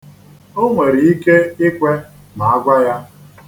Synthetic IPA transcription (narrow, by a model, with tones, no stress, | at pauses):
o˦ŋʷe˨ɾi˨i˦ke˦ɪ˦kʷe˦ | ma˨a˦ɡʷa˦ja˦